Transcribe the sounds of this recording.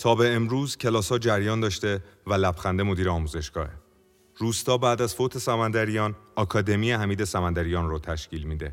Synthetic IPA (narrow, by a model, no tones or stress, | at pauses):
t̪ʰɒːbe̞emɾuːzcʰe̞lɒːshɒːd͡ʒæɾjɒːnd̪ɒːʃt̪e̞vælæbxænd̪emo̞d̪iːɾeɒːmuːze̞ʃɡ̥ɒ̰ːhe | ɾuːst̪ɒːbæːd̪æzfoːt̪ʰe̞sæmænd̪æɾijɒːnɒkʰɒːd̪e̞mijeɦæmiːd̪e̞sæmænd̪æɾijɒːnɾot̪ʰæʃciːlmiːd̪e̞